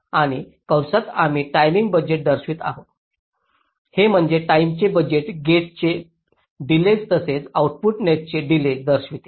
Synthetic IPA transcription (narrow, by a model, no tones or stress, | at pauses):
aɽ̃i | kəwsat̪am̤iːʈajmiŋɡ̚bəd͡ʑeʈ̚d̪əɾsʋiːt̪a̰ɦot̪ | hem̤əɳd͡zeʈaimt͡ɕebəd͡ʑeʈɡeʈ̚t͡ɕe | ɖiled͡zt̪əset͡sauʈ̚puʈneʈ̪̚t͡ɕeɖiled͡zd̪əɾsʋit̪e